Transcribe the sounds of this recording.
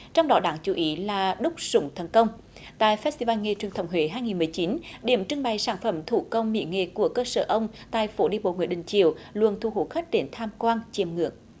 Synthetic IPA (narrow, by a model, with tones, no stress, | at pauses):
t͡ɕɔ˧wŋ͡mɗɔ˨˦ɗaː˨˦ŋt͡ɕu˧˨˦ʔi˨˦laː˨˩ɗʊ˦˥k͡p̚sʊ˧˨˦ŋ͡mt̪ʰə˨˩nkə˧wŋ͡m | t̪a̰ː˧˨jfst̪i˧vaː˧nŋe˨˩t͡ɕwi˨ənt̪ə˨˦wŋ͡mɦwe˧˨˦ɦaː˧jŋi˨˩nmɨ˨˩əjt͡ɕi˨˦nɗḭ˧˩əmt͡ɕɨ˧əŋɓa˨˩jsaː˧˩nfə˧˩mt̪ʰu˧˩kə˧wŋ͡mmḭ˧˥ŋḛ˨˩ku˧˩əkəː˧səː˧˩ʔə˧wŋ͡mt̪a̰ː˧˨jfo˨˦ɗi˧˩əmɓo̰˧˨ŋwi˧˩əɗï˨ŋ̟t͡ɕḭ˧˨əwlwə̰˨ənt̪ʰu˧˩ɦu˧˨˦xə˦˥k̚ɗe˨˦nt̪ʰaː˧mkwaː˧nt͡ɕi˧˩mŋɨ̰˧˩˨əŋ